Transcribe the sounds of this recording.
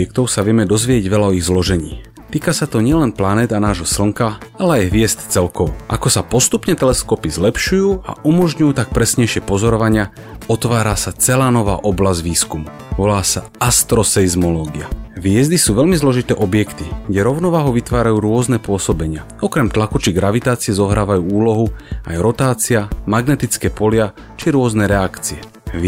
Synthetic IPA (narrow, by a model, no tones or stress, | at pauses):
ɛk̚t̪ɔʊsaʋɪɛmɛd̪ɔzʋɪɛɟʋɛlaɔiɣzlɔʒɛɲḭː | t̪iːkasat̪ɔɲɪɛlɛnplanɛːd̪anaːʒɦɔsl̩ŋkaalɛajɦʋɪɛst̪t͡sɛlkɔʋɔ̰ʔa̰kɔsapɔst̪upɲɛt̪ɛlɛskɔpizlɛpʃujuːa̰umɔʒɲujuːt̪ak̚pɾɛsɲɛjʃɪɛpɔzɔɾɔʋaɲɪa | ɔt̪ʋaːɾasat͡sɛlaːnɔʋa̰ːʔɔblazɟʋiːskumu | ʋɔlaːsa̰ | ast̪ɾɔsɛizmɔlɔːɡiaʋɪɛzd̪isuːʋɛlmizlɔʒit̪ɛːʔɔbjɛkt̪iɡɟɛɾɔʊnɔʋaːɦuʋit̪ʋaːɾajuːɾʊɔznɛpʊɔsɔbɛɲɪa | ɔkɾɛmt̪lakut͡ʃiɡɾaʋit̪aːt͡siɛzɔɦɾaːʋajuːuːlɔɦua̰jɾɔt̪aːt͡siamaɡnɛt̪it͡skɛːpɔlɪa | t͡ʃiɾʊɔznɛɾɛakt͡siɛ